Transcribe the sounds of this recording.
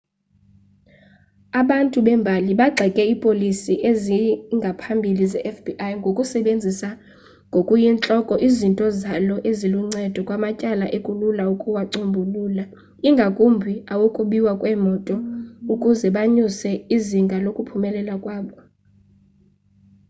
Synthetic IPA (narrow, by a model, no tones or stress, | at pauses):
aɓantʼuɓɛmbʱaliɓaɡ͡ǀʱɛkʼɛipʼolisiʔeziŋɡʱapʰambʱilizɛʔɛfbiʔajŋɡʱokʼusɛɓend͡zʱisa | ŋɡʱokʼujint͡ɬʼɔkʼɔʔizintʼɔzalɔʔeziluŋ͡ǀɛd̥ʱɔkʼwamacʼalaʔekʼululaukʼuwaǀombʱuluːla | iŋɡʱakʼumbʱiawokʼuɓiwakʼwɛmɔtʼɔukʼuzɛɓaɲusɛiziŋɡʱalokʼupʰumɛlɛlakʼwaːɓɔ